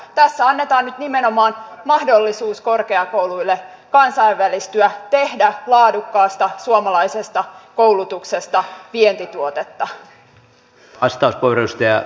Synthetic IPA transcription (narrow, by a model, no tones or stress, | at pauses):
t̪æsːæɑnːet̪ɑːnnyt̪nimenomɑːn | mɑhdolːisuːsko̞rkeɑkowluilːe | kɑnsɑiʋːælist̪yæt̪e̞hdælɑːdukːɑːst̪ɑsuomɑlɑisest̪ɑkowlut̪uksest̪ɑʋient̪it̪uot̪et̪ːɑ | ɑst̪ɑuspuoreust̪ɑjɑ̰